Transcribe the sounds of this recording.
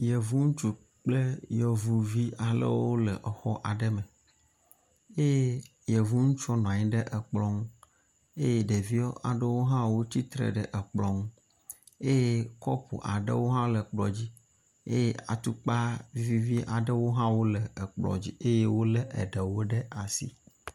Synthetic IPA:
jɛ˨vu˦ŋũ˦t͡ʃu˨ | k͡ple˦jɔ˨vu˨vi˦a˨lə̰˦wo˦lɛ˨ʔɛ˨xɔ˦ʔa˨ɖɛ˦me˨ | e˦je˦ | jɛ˨vu˦ŋũ˦t͡ʃɔ˦nɔ̃˨a˨ɲĩ˦ɖɛ˦ʔɛ˨k͡plɔ˦ŋu˦ | e˦je˦ɖe˨vi˦ɔ̰˦ʔa̰˨ɖə˦wo˦ɦã˦wo˦t͡ɕi˦t̪ɾḛ˨ɖɛ˦ʔɛ˨k͡plɔ˦ŋ˦ | e˦je˦kɔ˦pṵ˨ʔa˨ɖə̰˦wo˦ɦã˦lɛ˨k͡plɔ˨d͡ʑi˦ | ḛ˦je˦a̰˨t̪u˦k͡pa˦vi˦vi˦vi˦ʔa˨ɖɛ˦wo˦ɦã˦wo˦lɛ˨k͡plɔ̰˨d͡ʑi˦e˦je˦wo˦lɛ˦ʔɛ̰˨ɖɛ˨wo˦ɖɛ˦a˨sḭ˦

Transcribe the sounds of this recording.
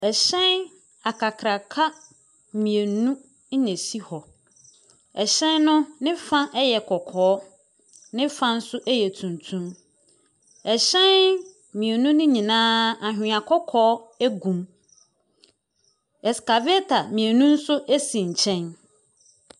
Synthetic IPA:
ɛ˨ɕɛ̃˦n | a˨kʰa˨kʰɾa˨kʰa˦ | mĩ˨e˨nũ˦ | ɲɛ̃˨si˦hɔ˨ | ɛ˨ɕɛ̃˦nnʊ̃˦nɪ̃˦fã˦ʔɛ˦jɛ˨kʰɔ˨kʰɔː˨˦ | nɪ̃˦fã˦n̩˦sʊ˦ʔɛ˦jɛ˨tʰũ˨ntʰũ˦m | ɛ˨ɕɛ̃˦n | mĩ˨e˨nũ˦nɪ̃˦ɲĩ˨nãː˦a˨ɦᶣɪ̃˨ã˨kʰɔ˦kʰɔː˦æ˦ɡũ˨m | ɛ˨ska˨bɛ˦tʰa˨mĩ˨e˨nũ˦n̩˦sʊ˦ʔe˦sĩ˨ɲ̩˨t͡ɕʰɛ̃˦n

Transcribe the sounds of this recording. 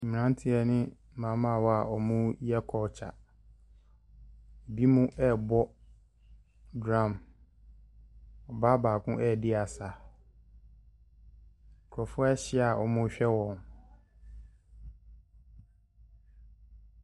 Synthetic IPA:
m̩˨m̃˨nã˦n˦tʰɪ˦ɛ˨nɪ̃˦ | mãː˨˦mã˦˨wɔ˦a˨ʔɔ˨mʊ̃˦jɛ˦kʰɔ˨t͡ɕʰa̰˨ | bi˦mũ˦ʔɛ˦bɔ˦ | dã˦˨m | ɔ˨ba˦baː˨kʰʊ̃˦ʔɛ˦˨dɪ˦a˨sa˨ | kʰɾɔ˨fʊ˦ɛ˦ɕɪ˦a˨ʔɔ̰˨mʊ̃˦ɕᶣɛ˦wɔ̃˨n

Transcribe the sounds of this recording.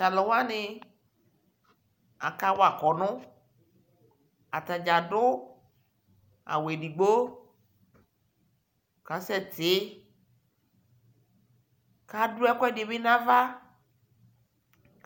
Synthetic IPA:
ta˨lɔ˨wa˦nɪ˨ | a̰˨ka˦wa˨kɔ˨nʊ̃˦ | a̰˨t̪a˨d͡ʒa˨dʊ˦ | a̰˨we˨ɖi˨ɡ͡bo˦ | ka˨˦sɛ˦˨t̪ɪ˨˦ | ka˦du˦ɛ˦kʷɛ˦dɪ˨bɪ˦nã˦va˦

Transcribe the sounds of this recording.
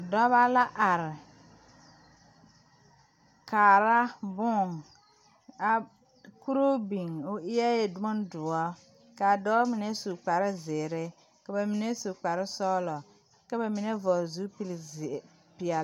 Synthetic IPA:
dɔ˦βa˦la˦ʔa˨ɾɪ˨ | ka˨ɾa˦bʊ˦˨ŋ | a˨ | ku˦ɾo˦bi˨ŋʊ˦ʔɪ˦ja˦je˨dʊ˦ɔ˦n˦dʊ˨ɔ˦ | ka˨dɔ˦mɪ˨nɛ˦su˨k͡pa˨ɾɪ˦zɪː˨ɾɪ˦ | ka˨ba˨mɪ˨nɛ˦su˨k͡pa˨ɾɪ˦sɔ˦lɔ˨ | ka˦ba˨mɪ˨nɛ˦vɔ˨zu˦pl | pɪ˨ɛ˨

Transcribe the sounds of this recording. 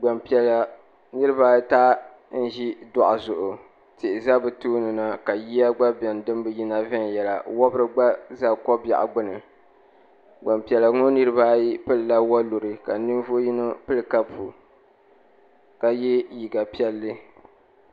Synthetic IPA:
ɡ͡ba˨mpɛ˨la˨ | nɨ˦ɾɨ˦ba˦taː˦ | n̩˦ʒi˦dɔ˦˨ʔa˨zʊ˨ʔʊ˨ | tɪ˨ʔɪ˨za˦bɨ˨tuː˦nɨ˨na˨ka˨ji˦ja˦ɡ͡ba˦bɛ˨n˨dɨ˦m˦bɨ˨ji˦na˦vɛ˦n˨jɛ˨la˨wɔ˦bɨ˦ɾɨ˦ɡ͡ba˦za˦kɔ˦bja̰˨ʔa̰˨ɡ͡bʊ˦nɨ˨ | ɡ͡ba˨mpi˨ɛ˨la˨˦ŋo˦nɨ˦ɾɨ˦βaː˦ji˦pɨ˦lɨ˨lːa˦wa˦lu˨ɾɨ˨ka˨nɨ˦n˦vʊ˦ʔji˦no˦pɨ˦lɨ˨ka˦pʰu˨ | ka˨jɛ˦ji˨ɡa˨pi˦ɛ˦lːɨ˦

